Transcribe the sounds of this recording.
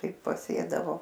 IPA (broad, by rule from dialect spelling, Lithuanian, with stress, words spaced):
ˈtɐɪ pɐˈsʲeːdɐʋoː